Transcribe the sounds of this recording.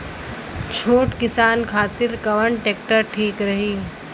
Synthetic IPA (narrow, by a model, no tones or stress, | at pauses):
t͡ʃʰoːʈkɪsaːnkʰaːt̪ɪɾkɐʋəɳʈeːk̚ʈəɾʈʰiːkɾɐɦiː